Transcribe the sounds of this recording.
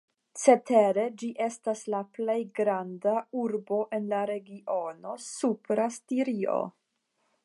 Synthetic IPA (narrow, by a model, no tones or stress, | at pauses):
t͡se̞te̞ɾe̞d͡ʒiʔe̞staslaple̞jɡɾandauɾbo̞ʔe̞nlaɾe̞ɡio̞no̞supɾastiɾio̞̰